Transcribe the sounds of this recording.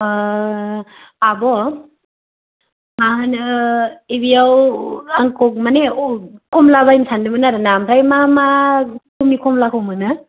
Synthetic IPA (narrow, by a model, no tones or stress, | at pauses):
abɔ | mahɯn | ebijawaŋkɔk̚maneokʰɔmlaβajmsʰandɯbɯnaɾanamtajmamakʰumikʰɔmlakʰɔwmɯnɯ